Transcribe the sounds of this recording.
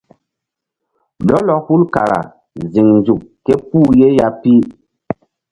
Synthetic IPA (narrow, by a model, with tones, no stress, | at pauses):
lɔ˦lɔ˨hu˦lka˨ɾa̰˨ | zi˨ŋn˨d͡zu˨kkɛ˦p̚u˦je˦ja˦pi˦